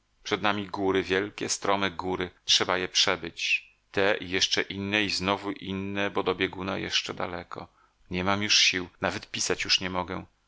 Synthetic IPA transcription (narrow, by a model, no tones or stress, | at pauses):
pʂɛd̪namʲiɡuɾɘvʲjɛlkʲɛst̪ɾɔmɘɡuɾɘtʂɛbajɛpʂɛbɘt͡ɕ | t̪ɛʔijɛʂt͡ʂɛʔinːɛiznɔvuʔinːɛbɔd̪ɔbʲjɛɡuna̰jɛ̰ʂt͡ʂɛd̪a̰lɛkʰɔ̰ | ɲɛmamjuʂɕiwnavɛt̪pʲisat͡ɕjuʂɲɛmɔɡɛ